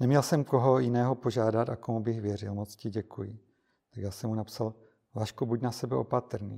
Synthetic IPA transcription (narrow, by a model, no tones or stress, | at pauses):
nɛmɲɛlsɛmko̞ɦo̞jɪnɛːɦo̞po̞ʒaːdat̪akomubɪxvjɛrɪlmot͡scɪɟɛkʰujɪ | t̪akjaːsɛmhunapsal | vaʃkubucnasɛbɛʔo̞pat̪r̩nḭː